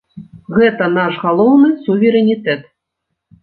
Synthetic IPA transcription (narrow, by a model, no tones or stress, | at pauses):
ɣɛt̪ɐnaʂɣalˠɔwnɨsuvʲɛɾɛnʲit̪ɛt̪